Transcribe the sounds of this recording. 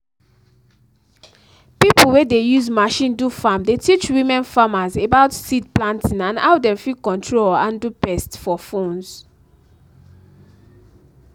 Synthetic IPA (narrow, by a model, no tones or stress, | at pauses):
pipul̩wedejuzmaʃĩndufãmdetit͡ʃwĩmɛ̃nfamazebaʊtsidplãntʰĩnãnaʊdɛ̃mfikɔ̃ntʰɹolãndupɛstfɔfõnz